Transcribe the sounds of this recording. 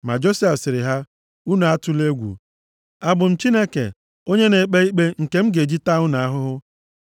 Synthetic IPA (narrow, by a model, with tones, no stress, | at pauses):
ma̰˨d͡ʒo˦si˦a˨sɪ˨ɾɪ˨ɦa˦ | u˦na˨a˦tʊ˦le˦ɡʷṵ˨ | a˨bʊ˨m̩˦t͡ʃi˦ne˦kḛ˨ | o˦ɲe˦ne˨k͡pe˦i˦k͡pe˦ŋ̩˨ke˨m̩˦ɡe˨d͡ʒi˦ta˦ʊ˦na˨a˦ɦʊ˦ɦʊ˦